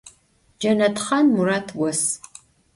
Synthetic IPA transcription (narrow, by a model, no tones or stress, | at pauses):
d͡ʒɐnɐtχɐnmuraːtʰwɔs